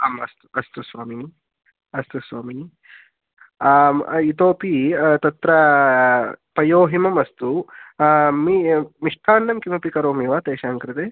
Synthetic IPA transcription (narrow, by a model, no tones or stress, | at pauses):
ɐmɐst̪u̥ɐst̪usʋaːmini | ɐst̪usʋaːmini | it̪oːpit̪ɐt̪ɾɐ | pɐjoːɦimɐmɐst̪u | mimiʂʈʰaːɳɖɐmkimɐpikɐɾoːmiʋaːt̪eːʃaːŋkɾɪt̪eː